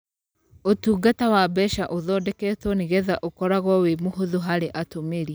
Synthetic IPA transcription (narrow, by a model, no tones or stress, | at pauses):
otuːɡatawabɛʃaʔoðɔdɛkɛːtwɔneɣɛðaʔokɔɾaɣwɔwemoɦoðoɦaɾeʔatomeɾia